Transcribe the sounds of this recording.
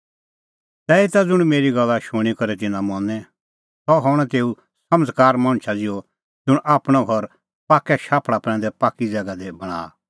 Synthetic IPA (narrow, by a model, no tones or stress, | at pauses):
t̪ɛːit̪ad͡zʊɽ̃meːɾiɡɐlːaʃʊɽ̃ikɐɾɛt̪̬ɪnãmɔ̃nɛ | sɔɦɔɽ̃ɛt̪eːu | sɐməd͡zkaːɾmãːñt͡ʃʰad͡zɪo | d͡zʊɽ̃ʔaːpɽ̃aɡʱɔɾ | paːkːɛʃaːpʰɽapɾɛ̃ːnd̪ɛpaːkːid͡zɛːɡad̪ebɐɽ̃a̰ː